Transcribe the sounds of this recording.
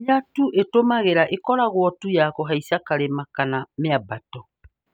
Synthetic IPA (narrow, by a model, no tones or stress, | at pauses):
atuʔetomaɣeɾaʔekɔɾaɣwɔtujakɔɦaisakaɾemakanameabatɔ